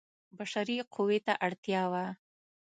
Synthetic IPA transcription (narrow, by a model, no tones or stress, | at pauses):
baʃaɾiqʰuwet̪aʔaɽt̪jɑwa